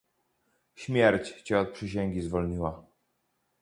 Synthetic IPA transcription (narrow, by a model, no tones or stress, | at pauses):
ɕmʲjɛɾt͡ɕt͡ɕɛɔt̪̚pʂɘɕ̬ɛŋɡʲizvɔlɲiwa